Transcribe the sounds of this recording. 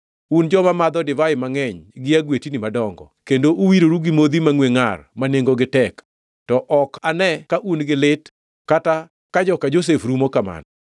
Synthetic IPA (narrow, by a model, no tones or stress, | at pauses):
und͡ʒɔmamad̪ɔdɪvaɪmaŋɛɲɡɪaɡwetinɪmadɔŋɡɔ̰kendoʔuwiɾoɾuɡɪmod̪imaŋweŋarmaneŋɡoɡɪtɛk | tɔʔɔkanɛkaʔunɡɪlɪt | kata | kad͡ʒɔkad͡ʒos̬efɾumokama̰nɔ